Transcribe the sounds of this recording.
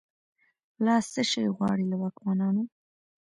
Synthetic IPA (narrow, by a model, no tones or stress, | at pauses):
lɑst͡səʃajɣwɑ̰ɽilawafɣɑnɑno